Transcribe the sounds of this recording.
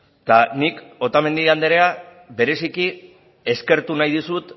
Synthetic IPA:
t̪aniko̞t̪ame̞nd̪iɣand̪eɾe̞a | βe̞ɾe̞siki | e̞ske̞ɾt̪unajðusut̪

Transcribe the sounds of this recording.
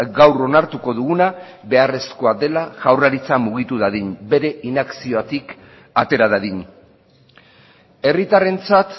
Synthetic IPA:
ɡawro̞naɾt̪uko̞ðuɣunabe̞are̞sko̞ad̪e̞laʝawraɾit͡samuɣ̞it̪uðaðiɲbe̞ɾe̞ʔinaksio̞at̪ik | at̪e̞ɾaðaðiɲ | e̞rit̪are̞nt͡sat̪

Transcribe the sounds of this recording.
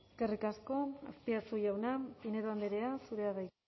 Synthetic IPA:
skerikasko̞a̰spiat͡suʝawnapinet̪and̪eɾeasuɾe̞aðaj

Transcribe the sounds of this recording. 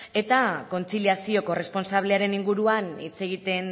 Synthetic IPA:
e̞t̪ako̞nt͡siliasio̞ko̞re̞spo̞nsaβ̞leaɾe̞niŋɡuɾuanit͡se̞ɣ̞it̪e̞n

